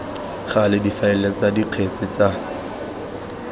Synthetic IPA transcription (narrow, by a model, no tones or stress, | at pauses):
χalɪdifaɛlɛt͡sadiq͡χʰet͡sʼɪt͡sa